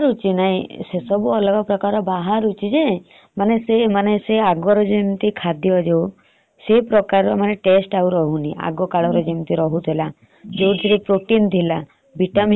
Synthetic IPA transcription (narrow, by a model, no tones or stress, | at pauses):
ɾut͡ʃinaɦĩsesɔbuɔlɔɡɔpɾɔkaɾɔbaɦaɾut͡ʃʰid͡ʒe | manesemaneseaɡwɔɾɔd͡ʒimt̪ikʰad̪jɔd͡ʒew | sepɾɔkaɾɔmaneʈesʈauɾɔɦuniʔa̰ɡɔkaɭɔɾɔd͡ʒimt̪iɾɔɦut̪ʰela | d͡ʒewd͡ʒiɾipɾoʈint̪ʰila | biʈam